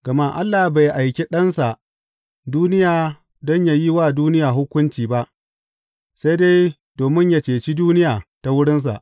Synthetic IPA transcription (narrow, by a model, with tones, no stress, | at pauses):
ɡ̥ɐ˨ma˦ʔa˦lːaː˨ba˨jʔa˨jkʲe˦ɗɐ˦nsa˨ʔ | duː˦nɪ˦jaː˨ | dɔ˦ɲja˨ji˦waː˦˨duː˦nɪ˦jaː˨ɦʊ˦kʷʊ˦nt͡ʃiː˨ba˦ʔ | se˦jdeː˦ | doː˨mɪ˦ɲja˦t͡ʃeː˨t͡ʃi˦duː˦nɪ˦jaː˨ta˨wʊ˦ɽɪ˦ns̬a̰˨ʔ